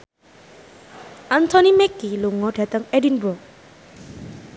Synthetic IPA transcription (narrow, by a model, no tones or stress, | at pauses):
antʰɔnimekːiluŋɔdʱɛtaŋedinbɔ